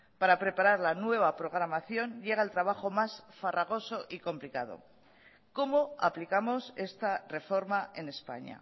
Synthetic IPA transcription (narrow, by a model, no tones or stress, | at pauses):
paɾapɾe̞paɾaɾlanwe̞β̞apɾo̞ɣ̞ɾamaθjo̞nʎe̞ɣ̞aelt̪ɾaβ̞aχo̞masfaraɣ̞o̞so̞ʔiko̞mplikað̞o̞̰ | ko̞mo̞a̰plikamo̞se̞st̪are̞fo̞ɾmae̞ne̞spa̰ɲa̰